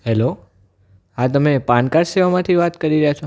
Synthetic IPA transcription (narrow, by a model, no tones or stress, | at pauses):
ɦɛlo | at̪əmepãɳkaɾseʋamãt̪ʰiʋat̪kəɾiɾəjat͡ʃʰo